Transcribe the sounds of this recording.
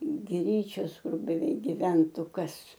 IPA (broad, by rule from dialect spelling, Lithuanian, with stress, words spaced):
ˈɡrʲiːt͡ʃʲoːs ˈkʊr bʲɛˈʋʲɛɪk ɡʲɪˈʋʲɛntʊ ˈkɐs